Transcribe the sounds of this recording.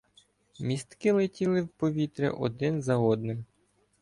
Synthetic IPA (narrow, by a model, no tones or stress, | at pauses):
mʲist̪kɪlˠetʲilˠɪwpɔʋʲit̪ɾʲɛ̰ʔɔ̰d̪ɪnzɐɔd̪nɪm